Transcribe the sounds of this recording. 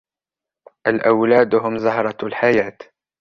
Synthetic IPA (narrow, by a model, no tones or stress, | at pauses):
ʔalʔawlaːd̪ɦʊmzahɾˤɑlħajaːt̪